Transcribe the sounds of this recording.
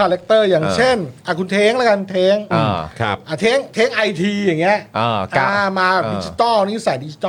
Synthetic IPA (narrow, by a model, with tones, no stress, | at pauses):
aː˧le˦˥k̚t̪ɤː˥˩jaː˨˩ŋt͡ɕʰe˥˩nʔa˧˩kʰu˧nt̪ʰeː˦˥ŋla˦˥ka˧nt̪ʰeː˦˥ŋ˧˩˧kʰa˧pʔaː˧˩t̪ʰeː˦˥ŋt̪ʰeː˦˥ŋʔa˧jt̪ʰiː˧ja˨˩ŋːi˦˥ɐʔʔːʰa˧˩maː˧bpdiː˧t͡ɕi˨˧t̪ɔː˥˩ni˦˥˩saː˨˩˦diː˧i̥˧t̪ɔ˥